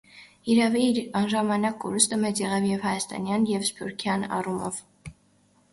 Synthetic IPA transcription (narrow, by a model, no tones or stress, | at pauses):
iɾɑviɑnʒɑmɑnɑkːɔɾust̪əmɛt͡sjɛʁɑvjɛvhɑjɑst̪ɑ̰njɑnjɛvspuɾkʰjɑnɑ̰rumɔ̰v̥